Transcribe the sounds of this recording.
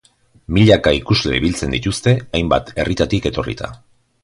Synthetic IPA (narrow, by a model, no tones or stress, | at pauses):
miʎakaikuzle̞̰iβilt͡se̞nd̪it̪ust̪e̞ajmba̰t̪e̞rʔit̪at̪ike̞t̪o̞rḭt̪a̰